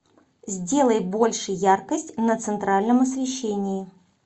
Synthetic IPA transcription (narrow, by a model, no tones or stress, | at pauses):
zʲdʲe̞lˠəjbo̞lʲʂɨjarkəsʲtʲnət̪sɨnt̪ɾalʲnəmɐsvʲɪɕːenʲɪjɪ